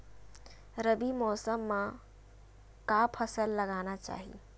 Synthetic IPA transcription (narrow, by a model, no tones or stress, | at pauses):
ɾəbimɔːsəmːã | kapʰɐsəlːɐɡaːnat͡ʃa̰ːɦḭ